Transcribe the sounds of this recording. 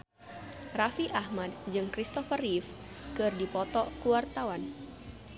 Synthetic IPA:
rafiʔahmad̚d͡ʒɨŋkɾist̪ɔfərif | kɨrdipɔt̪ɔkuwart̪awan

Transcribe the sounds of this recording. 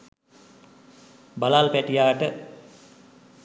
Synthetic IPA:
balalpæʈijaːʈə

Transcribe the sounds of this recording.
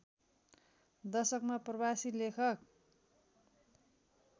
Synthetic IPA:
d̪ʌsʌkmaprʌbasilekʰʌk

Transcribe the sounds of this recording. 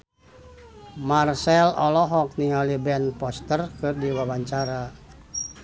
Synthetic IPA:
marsɛlɔlɔɦɔk̚niŋalibɛnpɔst̪ərkɨrdiwawaɲt͡ʃaɾa

